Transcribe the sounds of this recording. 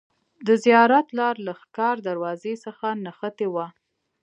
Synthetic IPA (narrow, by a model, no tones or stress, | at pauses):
d̪əzijɑɾat̪lɑɾlaxkɑɾd̪aɾwɑzesəxanaxət̪ewa